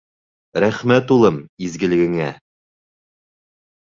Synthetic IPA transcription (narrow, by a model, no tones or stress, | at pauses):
ɾæχmæt̪ulˠɤmizɡɘ̆lɘ̆ɡɘ̆ŋæ